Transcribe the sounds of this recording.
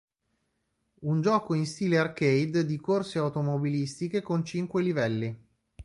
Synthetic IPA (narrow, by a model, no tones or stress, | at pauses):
und͡ʒɔːkoinst̪iːlearkejd̪d̪ikorseawt̪omobilist̪ikekont͡ʃiŋkwelivɛlːi